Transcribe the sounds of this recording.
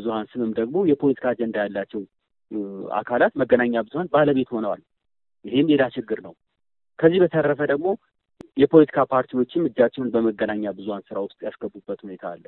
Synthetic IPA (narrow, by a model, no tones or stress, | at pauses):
ɨzuhansɨmɨmd̪əɡmo̞jɛpʰo̞lət̪ʰi̥kʰaːd͡ʒɛnd̪ajalːat͡ʃːɛw | a̰kʰalat̪məɡːənaɲːabɨzuhanbaləβe̞t̪ho̞nəwal | ʔɪɦemlelat͡ʃɪɡːɨɾnəw | kʰəzːihbət̪ʰərːəfəd̪əɡmo̞ | jɛpʰo̞lət̪ʰi̥kʰapʰaɾt̪ʰiwo̞t͡ʃːɪmːɨd͡ʒːat͡ʃːɪunbəməɡːənaɲːabɨzuhansɨɾawʊst̪ʼjasɡəbːubːət̪hune̞t̪ʰaːlːə